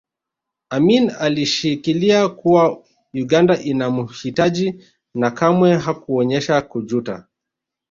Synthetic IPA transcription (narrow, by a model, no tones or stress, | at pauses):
aminaliʃikiliakuwa | juɡandaʔinamuhitaʄi | nakamwɛɦakuɔɲɛʃakud͡ʒuta̰